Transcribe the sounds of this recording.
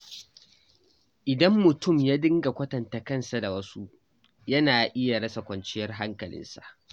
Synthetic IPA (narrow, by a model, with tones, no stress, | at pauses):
ʔɪ˨dɐ˦mːʊ˨tʊ˦˨mjaː˦dɪ˦ŋɡa˨kʷɐ˦tɐ˨nta˨kɐ˦nsa˨da˨wɐ˦su˦ʔ | jɐ˦naː˨ʔɪ˦ja˨ɽɐ˦sa˨kʷɐ˨nt͡ʃɪ˦jɐ˦rɦa˦ŋkɐ˨lɪ̰˦nsḁ̰˨ʔ